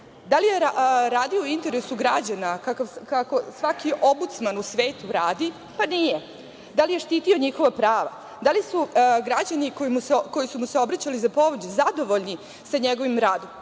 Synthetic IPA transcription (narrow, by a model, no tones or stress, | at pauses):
d̪alijeɾaɾaːd̪ioint̪e̞ɾesuɡɾad͡ʑanakakaʋkako̞sʋakiʔo̞mbut̪smanusʋeːt̪uɾaːd̪i | panije | d̪alije̞ʃt̪iːt̪io̞ɲixo̞ʋapɾaːʋa | d̪alisuɡɾad͡ʑaniko̞jimuseko̞jisumuseo̞bɾat͡ɕalizapo̞ʋod͡ʑezad̪o̞ʋo̞ʎni | saɲeɡo̞ʋimɾaːd̪o̞m